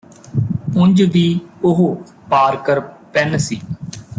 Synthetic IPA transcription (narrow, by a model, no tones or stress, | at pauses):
ʊɲd͡ʒʋiːʊɦo | paːɾkəɾpɛnsiː